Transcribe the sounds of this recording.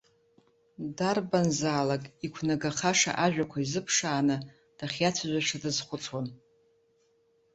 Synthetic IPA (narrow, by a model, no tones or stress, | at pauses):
darbanzaːlakʼikʷʰnaɡaχaʂa̰ʔaʒᶣakʷʰaizɨpʰʂaːnɨ | d̥aχʲjat͡sʷʰazʷaʈ͡ʂʰadɨzχʷʊt͡sʰwan